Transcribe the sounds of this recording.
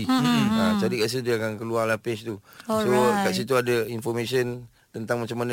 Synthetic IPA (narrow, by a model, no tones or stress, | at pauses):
iad͡ʒadikaʔsidiakaŋkəluarlapɛst̪usokaʔsit̪uadainfɔrmesiən | t̪ənt̪aŋmat͡ʃamanə